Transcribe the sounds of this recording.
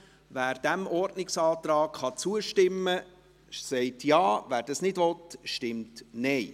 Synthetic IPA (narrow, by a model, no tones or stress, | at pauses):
væːɾd̥æmʔɔɾdnɪksɑːt̪ɾɑːkχɑt͡suəʃtɪmːə | sɛɪtjɑːvæːɾdɑsnɪdʋɔtʃtɪmtnɛɪ